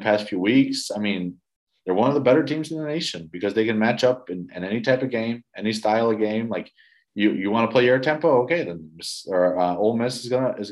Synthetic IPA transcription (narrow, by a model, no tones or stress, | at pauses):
əpʰæstfjʉwiksaɪmĩn | ðə˞wʌ̃nʌvðəbɛɾə˞tʰĩmzɨ̃n̩ðəneɪʃɨ̃nbɨkʰʌzðeɪkɨ̃nmæt͡ʃʌpɨ̃nɨ̰̃nɛnitʰaɪpʌvɡẽɪ̃mɛnistaɪlˠə˞ɡẽɪ̃mlaɪk | jɨjɨwɑ̃nəpʰl̥eɪjə˞tʰɛ̃mpoʊoʊkeɪðɨmɪsə˞ʌoʊlˠd̚mɪsɨzɡʌnəɪz